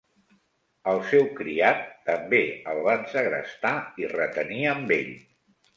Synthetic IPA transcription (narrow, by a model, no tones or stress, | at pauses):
əlˠsɛwkɾiat̪ːəmbeəlˠβansəɣɾə̰st̪airət̪əniəmbeʎ